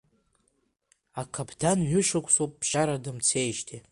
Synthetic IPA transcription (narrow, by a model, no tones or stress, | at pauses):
akʰabʰdanɥʏʃakʷʰʼsowp̚ʼːʃaɾadɨmt͡sʰejʃtʰi